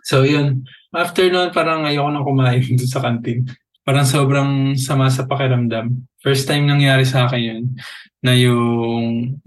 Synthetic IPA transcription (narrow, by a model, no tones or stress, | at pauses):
sojonʔaft̪ɛɹnuɐnpaːɾɐŋɐjoːkonɐŋkʊmaːʔɪnd̪ʊnsɐkɐnt̪in | paːɾɐŋso̞ːbɾɐŋsɐmas̬ɐpɐkɪɾɐmd̪amfɛɹst̪ːajmnɐŋjaːɾɪsɐaːkɪnjonː | ɐjʊŋ